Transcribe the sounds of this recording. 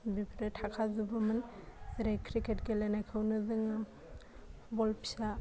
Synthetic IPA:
bipʰɾetʰakʰazubɯmanɾajkʰɾiketɡelenajkʰɯwnɯzɯŋ | bɔlpsa

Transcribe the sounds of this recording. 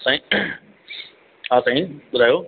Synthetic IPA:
sãĩ | aːsãːĩɓʊd̪ʱaːjoː

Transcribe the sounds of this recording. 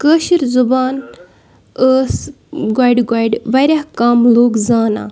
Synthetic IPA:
kəːʃiɾzubaːn | əːs | ɡaːjɖɡajɖʋɐɾʲahkaːmloːɡzaːna̰ː

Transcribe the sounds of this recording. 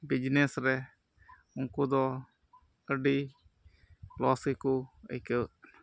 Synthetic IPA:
bid͡ʒnɛsɾɛ | uŋkud̪ɔ | əɖi | plɔsikuə̰jkə

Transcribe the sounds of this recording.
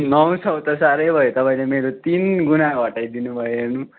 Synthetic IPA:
nʌw̃t͡sʰʌwt̪ʌsaɾʌjbʱʌjot̪ʌpaĩlemeɾot̪inɡunaɡʌʈajd̪inubʱʌjoɦernu

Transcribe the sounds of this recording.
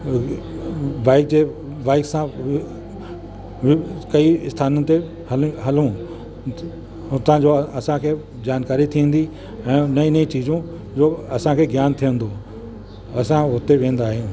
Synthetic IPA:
ʋaːɪk̚d͡ʑeː | ʋaːɪksãʋ | ʋkɐiɪst̪ʰaːnənɪ̆t̪e | hɐlɦɐlũ | ɦʊt̪ãd͡ʑoːɐsãkʰeː | d͡ʑaːnkaːɾit̪ʰiːə̃nd̪i | ɛ̃ːnɐĩnɐĩt͡ɕiːzũ | d͡ʑoːɐsãkʰeːɡjaːnt̪ʰijə̃nd̪o | ɐsãɦʊt̪eʋẽːə̃n̆d̪aːɦeũ

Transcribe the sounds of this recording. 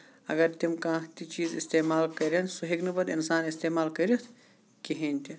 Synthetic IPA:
ɐ̰ɡɐɾt̪imkãːt̪it͡ʃiːzist̪eːmaːlkɐɾensoɦiknɐbɐd̪insaːnist̪eːmaːlkɐɾit̪ʰ | kiɦeːnt̪i

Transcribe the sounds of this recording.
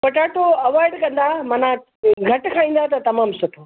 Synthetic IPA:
pɐʈaːʈoɐʋaːɪɖkɐ̃nd̪amɐ̃nã | ɡʱɐʈkʰãːĩːn̆d̪at̪̬ɐt̪ɐmaːmsʊʈʰoː

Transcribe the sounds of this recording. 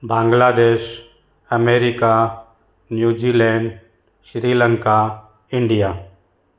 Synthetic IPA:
bãːŋɡlaːd̪eːʃ | əmeːɾika | njuːd͡ʒiːlɛ̃ːɳɖ | ʃɾiːləŋka | ɪɳɖija

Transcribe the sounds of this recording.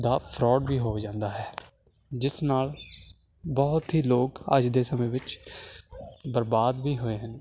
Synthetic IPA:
d̪aːpʰɾɔːɖʋiːɦoːd͡ʒãːnd̪aːɦɛː | d͡ʒɪsnaːl | bɔːt̪ɦiːloːkə̰d͡ʒd̪eːsəmẽːʋɪt͡ʃ | bəɾbaːd̪ʋiːɦoːeːɦən

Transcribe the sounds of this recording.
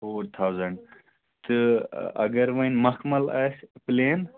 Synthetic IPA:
foːɾt̪ʰawzɐɳɖ | t̪ɨɐ̰ɡɐɾʋɐjnmɐkʰmɐlɐspleːn

